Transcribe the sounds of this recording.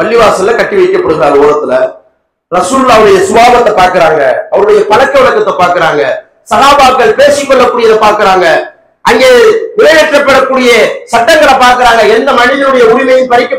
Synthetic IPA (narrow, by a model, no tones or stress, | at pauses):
pɐlːɪʋaːsɐlɐkɐʈːɪʋɐɪkːɐpɪɾɐɣðaːloːɾɐt̪ːɪlɐ | ɾɐsuːllːaːɐʋɐɾɯɽɐjɐsʊʋaːbɐt̪ːɐpaːɾkɪɾaːŋɡɐ̰ɐʋɐɾɯɽɐjɐpɐlɐkːɐʋɐɭɐkːɐt̪ːɐpaːɾkɯɾaːŋɡɐ | sɐɣaːbaːkːɐɭpeːsɪkːɔɭːɐkːuːɽɪjɐðɐpaːɾkɪɾaːŋɡɐ | ʔɐŋɡeːʋɪlɐɣɐʈrɐpːɛɽɐkːuːɽɪjɐsɐʈːɐŋɡɐɭɐpaːɾkɪɾaːŋɡɐɛnd̪ɐmɐɳɪðɐlɯɽɐjɐʊɾɪmɐjɪmpɐɾɪkʲːɐ